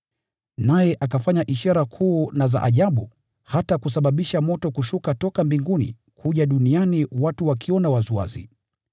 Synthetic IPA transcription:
najɛʔakafaɲaʔiʃaɾakʰuːnaza̰ʔaʄaɓu | hatakus̬aɓaɓiʃamɔtɔkuʃukatɔkambiŋɡunḭ | kʰuʄaɗunianiwatuwakʰiɔnawazua̰zḭ

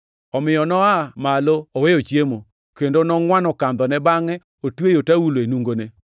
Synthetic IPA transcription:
ɔmɪjɔnɔamaloɔwejot͡ʃjemo | kendonɔŋwanɔkand̪ɔnɛbaŋɛ | otwejotawuloenuŋɡone

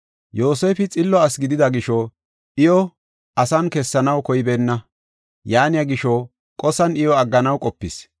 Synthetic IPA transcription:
jo̞ːseːfɪt͡sʼɪlːɔɐsɡɪd̪ɪd̪ɐɡɪʃɔ | ʔɪjɔ | ʔɐsɐnkɛsːɐnɐwkɔjbenːɐ | jaːnɪjɐɡɪʃɔ | kʼɔsɐnɪjɔɐɡːɐnɐwkʼɔpːɪs

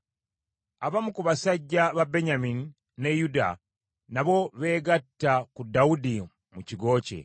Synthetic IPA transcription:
aβamukuβasaɟːaβabe̞ɲamini | ne̞juda̰ | naβo̞βe̞ːɡatːakudːaudi | muciɡo̞ːce̞̰

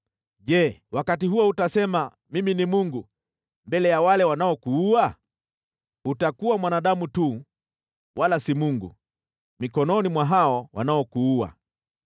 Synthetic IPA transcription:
ʄɛwakatiɦuɔutasɛma | miminimuŋɡu | mbɛlɛjawalɛwanaɔkuua | utakuwamwanaɗamutu | wʔalasimuŋɡṵ | mikɔnɔnimwaɦaɔwa̰naɔkuua̰

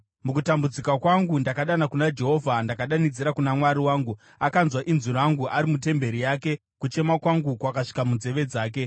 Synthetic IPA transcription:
mukutambud͡zikwakwaŋɡundakaɗanakunad͡ʒe̞ɦo̞vʱandakaɗanid͡ziɾakunamwaɾiwaːŋɡu | akanzwaʔinzuɾaŋɡuʔaɾimut̬e̞mbe̞ɾijaːke̞ | kut͡ʃe̞makwaŋɡukwakaʂi̥kamund͡ze̞ʋe̞d͡zaːk̬e̞

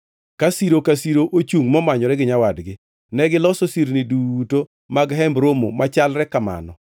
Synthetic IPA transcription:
kasiɾokasiɾoʔot͡ʃuŋmɔmaɲɔɾɛɡɪɲawadɡɪ | nɛɡɪlɔsosiɾniduto | maɡɦɛmbɾomo̰mat͡ʃalɾɛkama̰nɔ

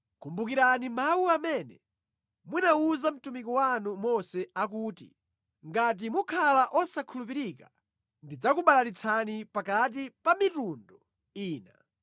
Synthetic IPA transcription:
kumbukiɾanimawuamɛnɛ | munauzam̩tumikɔwanumɔsɛakuːtḭ | ŋɡat̬imukʰalaʔɔsakʰulup̬iɾika | ndid͡zakuɓalaɾit͡sʰanipakat̬ipamitundɔ | iːna̰

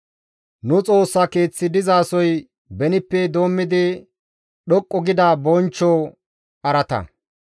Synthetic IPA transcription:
nʊt͡sʼo̞ːsːake̞ːt͡sːɪd̪ɪzaːsɔj | bɛnɪpːɛd̪o̞ːmːɪd̪ɪ | ɗɔkʼːɔɡɪd̪abɔnt͡ʃːɔ | ɐɾɐt̪ɐ̰

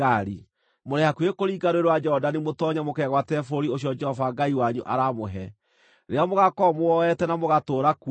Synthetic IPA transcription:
aɾi | moɾɛhakuekoɾiːɡaɾoeɾwad͡ʒɛɔdanimotɔɲamokɛɣwatɛfoɾioɕ̬iɔd͡ʒɛhɔvaɡaiwaɲuʔa̰ɾamoɦɛ | ɾeɔmoɣakɔmoɔɛtɛnamoɣatoːɾaku

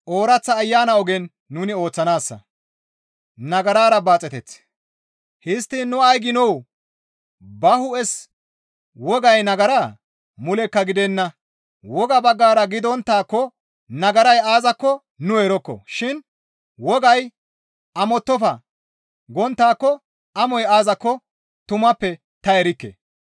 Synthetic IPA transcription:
ʔo̞ːɾɐt͡sːɐːjːaːnɐɔɡɛnː | uːnɪo̞ːt͡sːɐnaːsːɐ̰ | nɐɡɐɾaːɾɐbaːt͡sʼɛt̪ɛt͡sː | hɪst̪ːɪnːʊɐjɡɪnɔw | bɐhʊɛs | wɔɡɐjnɐɡɐɾaː | mʊlɛkːɐɡɪd̪ɛnːɐ | wɔɡɐbɐɡːaːɾɐɡɪd̪ɔnt̪ːaːkːɔ | nɐɡɐɾɐjaːzɐkːɔ | nʊɛɾɔkːɔ̰ʃɪn | wɔɡɐj | ɐmɔt̪ːɔfɐ | ɡɔnt̪ːaːkːɔ | ɐmɔjaːzɐkːɔ | t̪ʊmɐpːɛ | t̪ɐɛɾɪkːḛ

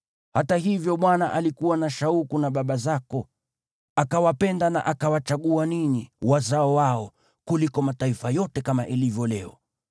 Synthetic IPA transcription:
hatahivjɔɓwanaʔalikuwanaʃaukunaɓaɓazakɔ | akawapɛndana̰ʔakawat͡ʃaɠuaniniwazaɔwaɔ | kulikɔmataifajɔtɛkamaʔilivjɔlɛɔ

